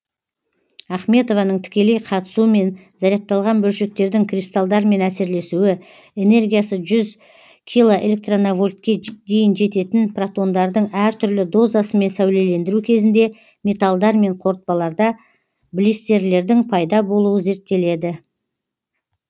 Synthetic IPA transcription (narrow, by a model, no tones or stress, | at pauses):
ɑχme̞t̪o̞vɑnəɴt̪ʰɪ̥kʲe̞le̞jqʰɑt̪ə̥suəme̞n | zɑɾjɑq̚t̪ːɑlˠʁɑnbɵlʃe̞k̚t̪e̞ɾd̪ɪŋkʰrist̪alˠd̪ɑɾme̞næse̞ɾle̞suwɪ | e̞ne̞rɡʲijasəʒʏz | kʲʰijlˠoʔe̞̰lʲe̞k̚t̪ronavo̞lʲt̪̚kʲe̞ʒ̚d̪e̞jɪnʒe̞t̪e̞t̪ɪnprat̪o̞nd̪ɑɾd̪əɴæɾt̪ʰʏɾlɪd̪o̞zɑsəme̞nsæwle̞le̞nd̪ɪɾukʲʰe̞zɪnd̪e̞ | me̞t̪alˠd̪ɑɾme̞ɴqʰo̞ɾt̪̚pɑlˠɑɾd̪ɑ | blist̪e̞ɾle̞ɾd̪ɪŋpʰɑjd̪ɑbo̞lˠuwəze̞ɾt̪ːe̞le̞d̪ɪ